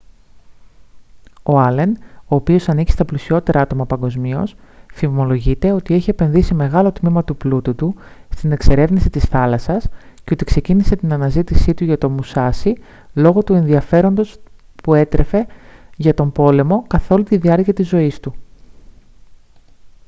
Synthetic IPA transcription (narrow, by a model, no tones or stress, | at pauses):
o̞ɐle̞no̞ːpio̞sɐnici̥st̪ɐplisio̞t̪e̞ɾʔɐɐt̪o̞mɐpɐŋɡo̞zmio̞sθivmo̞lo̞ʝit̪e̞o̞t̪ie̞çie̞pe̞nðisime̞ɣɐlo̞t̪mimɐt̪uplut̪ut̪ust̪ine̞kse̞ɾe̞vnisit̪isθɐlɐsɐsceo̞t̪ikse̞cinise̞t̪inɐnɐzit̪isit̪uʝɐt̪o̞musɐsi | lo̞ɣo̞t̪ue̞nðiɐfe̞ɾo̞nd̪o̞s | pue̞t̪ɾʔe̞fe̞ʝɐt̪o̞mbo̞le̞mo̞kɐθo̞lut̪iðiɐɾciɐt̪izo̞ist̪u